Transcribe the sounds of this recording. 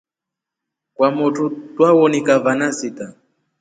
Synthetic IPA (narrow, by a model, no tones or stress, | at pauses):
kwamɔtʰutwawɔnikavanasita